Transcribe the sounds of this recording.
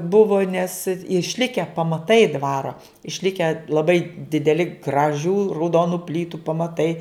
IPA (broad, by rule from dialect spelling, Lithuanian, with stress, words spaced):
ˈbʊʋoː nʲɛs ɪʃʲˈlʲɪkʲɛ pɐmɐˈtɐɪ ˈdʋɑːroː ɪʃʲˈlʲɪkʲɛ lˠɐˈbɐɪ dʲɪdʲɛˈlʲɪ ɡrɐˈʒʲuː rɐʊˈdoːnʊ ˈpʲlʲiːtʊ pɐmɐˈtɐɪ